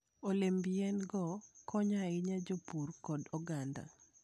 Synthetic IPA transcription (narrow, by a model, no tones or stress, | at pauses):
olembijɛnɡɔkʰɔɲaɪɲad͡ʒopurkɔdɔɡanda̰